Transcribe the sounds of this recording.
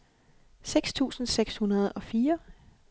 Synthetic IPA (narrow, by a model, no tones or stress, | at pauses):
seɡ̥st͡sʰṵːsn̩seɡ̥shunɐð̞ˠɒ̽fiːɐ